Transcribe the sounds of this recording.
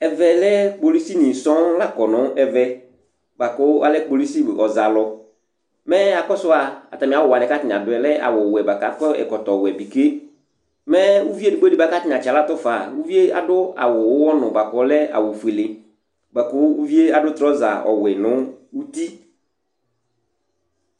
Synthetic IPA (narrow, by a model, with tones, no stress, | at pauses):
ɛ˨vɛ˨lɛ˦k͡po˨li˦si˦nĩ˨sɔ̃˦la˦kɔ˨nʊ̃˨˦ɛ˨vɛ˦ | ba˨kʊ˦a˦lɛ˦k͡po˨li˦si˦˨ɔ˨za˨lɔ˨ | mɛ˦a˨kɔ˦sʊ˦a˨a̰˨t̪a˨mɪ̃˨a˨wɔ˨a˨nɛ̃˨ka˦t̪ɪ˨n˨a˨dʊ˨ɛ˨lɛ˦a̰˨wʊ˨wɛ˨ba˨ka˨kɔ˦ɛ̰˨kɔ˨tɔ˨wɛ˨bi˨ke˦ | mɛ˦wu˦vi˦e˦˨du˨ɡ͡be˦di˦ba˨ka˦t̪ɪ˦n˨a˨t͡ʃa˨la˦t̪ɔ˦fa˨wu˦vi˦e˦a̰˨dʊ˦a̰˨wʊ˨wʊ˦wɔ˦nʊ̃˨ba˨kɔ˨˦lɛ˦a̰˨wʊ˨fe˨le˨ | ba˨kʊ˦wu˦vi˦e˦a˨dʊ˦t̪ɾɔ˦za̰˨ɔ̰˨wɛ˨nʊ̃˨˦u˦t̪i˦